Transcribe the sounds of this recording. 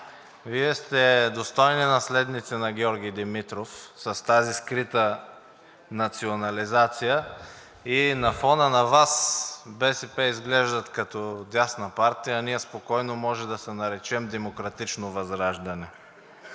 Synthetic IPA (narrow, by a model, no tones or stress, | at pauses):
viɛst̪ɛd̪ost̪ɔjninɐslɛd̪nit̪sɛnɐɡʲɔɾɡ̟ijd̪ɛmit̪ɾofsɐst̪aziskɾit̪ə | nɐt̪sionɐlizat̪sijə | inɐfɔnənɐvasbɛsɛpɛizɡlɛʒd̪ɐt̪kɐt̪ɔd̪ʲasnɐpaɾt̪ijɐnijɛspokɔjnomɔʒɛd̪ɐsɛnɐɾɛt͡ʃɛmd̪ɛmokɾɐt̪it͡ʃnovɐzɾaʒd̪ɐnɛ